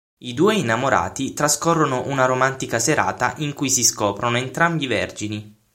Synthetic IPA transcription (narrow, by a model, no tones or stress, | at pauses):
id̪uːeinːamoɾa̰ːt̪it̪ɾaskɔrːonoʔunaɾomant̪ikaseɾʔa̰ːt̪a̰ʔiŋkujsiskɔːpɾonoent̪ɾambivɛ̰rd͡ʒini